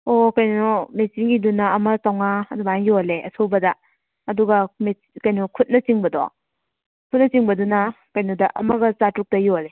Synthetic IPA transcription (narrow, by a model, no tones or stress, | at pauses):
okɐjnnɔmesinɡidunaːmɐsawŋaɐdubajoleʔɐ̰sowbɐdɐ | ɐduɡɐme | kɐjnukʰut̚nɐt͡ʃiŋbɐdɔ̰ | kʰut̚nɐt͡ʃiŋbɐdunakɐjnudɐʔɐmɐɡɐt͡ʃatɾuk̚tɐjole